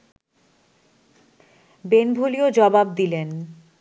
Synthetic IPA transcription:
benbʱuliod͡ʑɔbab̚d̪ilen

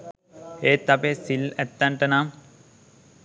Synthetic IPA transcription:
eːt̪ːapesilæt̪ːaɳʈənam

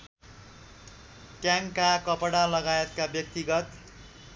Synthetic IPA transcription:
kjaŋkakʌpʌɽalʌɡajet̪̚kabjʌk̚t̪iɡʌt̪

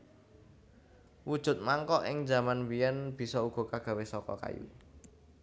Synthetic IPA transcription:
wud̥ʒ̥ʊ̤t̪̚maŋkɔʔɪ̰ŋd͡ʒa̤manwijɛnb̥i̤sɔuɡ̥ɔ̤kaɡ̥ä̤wesɔkɔ̰ka̰jṵ

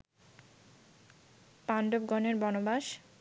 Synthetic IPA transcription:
panɖob̚ɡɔneɾbɔnobaʃ

